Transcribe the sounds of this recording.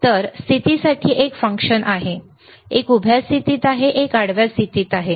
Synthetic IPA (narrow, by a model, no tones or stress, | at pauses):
t̪əɾst̪ʰit̪isaʈʰiːʔekfə̃ŋkʂənʔaɦe | ekubʱjast̪ʰit̪iːt̪aɦeʔekaɽʋjast̪ʰit̪iːt̪aɦe